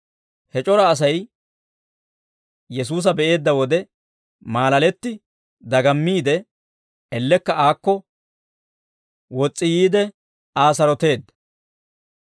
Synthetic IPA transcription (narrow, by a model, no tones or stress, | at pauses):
hɛt͡ʃʼɔɾɐːs̬ɐj | jɛs̬uːs̬ɐbɛʔe̞ːd̪ːɐwɔd̪ɛ | maːlɐlɛt̪ːɪ | d̪ɐɡɐmːiːd̪ɛ | ɛlːɛkːɐʔaːkːɔ | wɔt͡sʼːɪjiːd̪ɛ | aːs̬ɐɾɔt̪e̞ːd̪ːɐ̥